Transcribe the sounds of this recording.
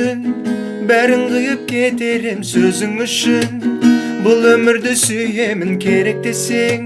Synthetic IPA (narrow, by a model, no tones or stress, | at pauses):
ɪn | bæɾɪɴqəjəp̚kʲʰe̞t̪e̞ɾɪmsɵzɪŋʏʃɪnbʊlˠɵmɪɾd̪ɪsʏje̞mɪŋkʲʰe̞ɾe̞k̚d̪e̞se̞ŋ